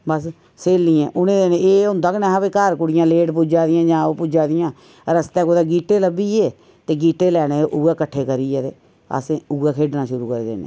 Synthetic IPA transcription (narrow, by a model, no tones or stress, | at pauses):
bəs | seːlːiːɛ̃ːʔʊnẽːd̪eːnẽeːod̪əknɛ̃ːɦabeːkaːɾkʊɽɪjãːleːʈp̬ud͡ʒaːd̪ɪjãːd͡ʒãːoːpʊd͡ʒaːd̪ɪjãː | ɾəst̪ɛ̃ːkoːd̪aːɡiːʈeːləbiːeː | t̪eːɡiːʈeːlɛːnẽːʔʊɛːkəʈʰːeːkəɾiːɛːt̪eː | ə̰sẽuɡɛːkʰeːɖnãːʃʊɾuːkəɾeːd̪ḛːnḛː